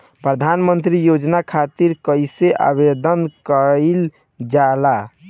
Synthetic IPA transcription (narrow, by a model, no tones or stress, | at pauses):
pɾəd̪ʱanmənt̪ɾijod͡ʒnakʰat̪iɾkəjseʔa̰βed̪ənkəl | d͡ʒala